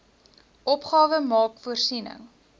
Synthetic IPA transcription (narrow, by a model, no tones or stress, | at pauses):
ʔɔpχɑːvəmɑːkfuərsinə̰ŋ